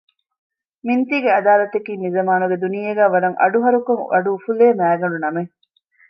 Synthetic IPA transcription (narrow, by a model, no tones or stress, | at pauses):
mint̪iːɡeɐd̪aːlɐt̪ekiːnizɐmaːnuɡed̪unijeɡæːʋɐɾɐŋʔɐ̰ɖuɦɐɾukoŋɐ̰ɖufuleːmæːɡɐɳɖunɐme